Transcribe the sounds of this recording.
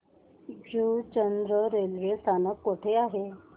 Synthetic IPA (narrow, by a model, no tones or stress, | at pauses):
d͡ʑut͡ɕənd̪ɾəɾelʋesanəkːoʈʰeaɦe